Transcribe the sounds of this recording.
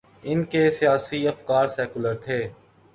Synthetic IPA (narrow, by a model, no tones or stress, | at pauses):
ɪnkesijaːsiɐfkaːɾsɛːkʊləɾt̪ʰeː